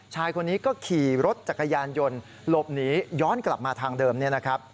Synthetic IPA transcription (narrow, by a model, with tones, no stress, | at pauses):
t͡ɕʰaː˧jkʰo˧nːiː˦˥kɔː˥˩kʰiː˨˩ɾo˦˥t̪̚t͡ɕa˨˩kːa˧jaː˧njo˧n | lo˨˩p̚niː˨˦˥jɔː˦˥˨nkla˨˩p̚maː˧t̪ʰaː˧ŋdɤː˧mni˥˩ɐna˦˥kʰɾa˦˥p̚